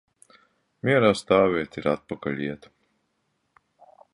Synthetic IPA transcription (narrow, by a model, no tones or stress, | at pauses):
mʲiɛɾaːst̪aːvʲiɛt̪iɾat̪̚pakalʲiɛt̪